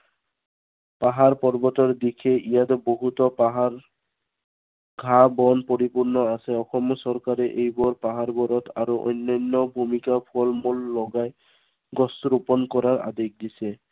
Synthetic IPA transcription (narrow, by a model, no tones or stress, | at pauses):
paɦaɹpɔɹbɔtɔɹd̪ikʰɛʔijat̪ɔboɦut̪ɔpaɦaɹ | ɡʱabɔnpɔɹipuɹnɔasɛɔxɔmɔsɔɹkaɾɛʔejbɔɹpaɦaɹbɔɾɔt̪ʰaɾuʔɔ̰jnːɔjnːɔbʱumikapʰɔlmɔlːɔɡaj | ɡɔstɾupɔnkɔɾaɹa̰d̪ek̚d̪isɛ